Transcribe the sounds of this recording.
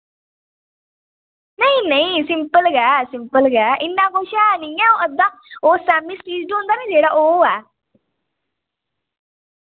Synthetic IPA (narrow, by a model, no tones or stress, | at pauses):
nəĩːnəĩːsɪmpəlɡɛːsɪmpəlɡɛːʔɪnːãːkoʃɛːnĩːɛ̃ːoːəd̪ãːoːsɛːmɪsʈiːzʈːʊ̃nd̪aːnẽːd͡ʒeːɽaːʔoːɛː